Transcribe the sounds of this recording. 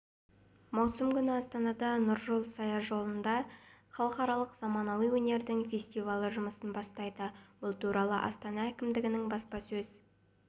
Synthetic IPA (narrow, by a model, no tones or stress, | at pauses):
mɑwsəmkʲʏnɪɑst̪ɑnɑd̪ɑnʊɾʒolˠsɑjɑʒo̞lˠənd̪ɑχɑlˠəqɑɾɑlˠəqz̥ɑmɑnɑwijwɵne̞ɾd̪ɪŋfʲe̞sʲt̪ivɑlˠəʒʊməsənbɑst̪ɑjd̪əwʊlˠt̪uɾɑlˠəʔɑ̰st̪ɑnɑækʲɪmd̪ɪɡʲɪnɪŋbɑspɑsɵz̥